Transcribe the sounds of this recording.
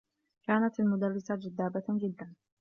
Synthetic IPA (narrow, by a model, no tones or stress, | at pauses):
kaːnat̪almʊd̪arːɪsad͡ʒad̪ːaːbad͡ʒɪd̪ːan